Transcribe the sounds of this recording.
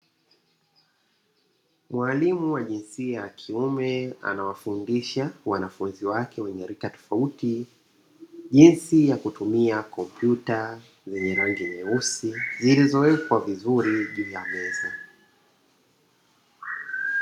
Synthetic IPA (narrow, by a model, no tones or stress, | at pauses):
mwalimuwaʄinsiajakʰiumɛa̰nawafundiʃawanafunziwakɛwɛɲɛɾikatɔ̥fauti | ʄinsijakutumiakɔmpjuta | zɛɲɛɾaŋɡimɛusizilizɔɛkwavizuɾiʄuːjamɛza